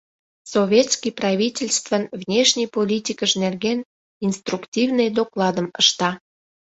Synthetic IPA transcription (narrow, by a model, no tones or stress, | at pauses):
sovʲet̪skʲijprɑvʲitʲelʲst̪vənvnʲeʃnʲijpolʲitʲikəʃnerɣen | inst̪ruktʲivnəjd̪oklˠɑd̪əmə̰ʃt̪ɑ